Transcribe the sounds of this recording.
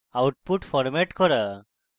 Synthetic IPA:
awʈ̚puʈfʰɔɾmɛʈkɔɾa

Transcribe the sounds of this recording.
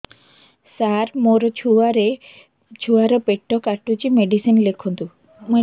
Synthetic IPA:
saɾmoɾɔt͡ʃʰuaɾe | t͡ʃʰuaɾɔpeʈːɔkaʈut͡ʃimeɖisinlekʰunt̪u | mo

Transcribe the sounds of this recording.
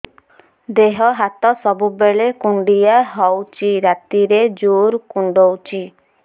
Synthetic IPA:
d̪eɦɔɦat̪ɔsɔbubeɭekuɳɖijaɦɔwt͡ʃʰiɾat̪iɾed͡ʒuɾkuɳɖowt͡ʃʰi

